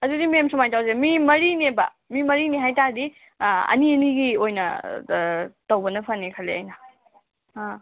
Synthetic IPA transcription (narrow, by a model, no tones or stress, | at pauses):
ɐdudimemsumajtawzemimɐɾinebɐ̰ | mimɐɾineɦajtadi | ɐ̰niɐniɡiojnɐ̰ | tɐwbɐnɐpʰanːekʰaleɐjnɐ | a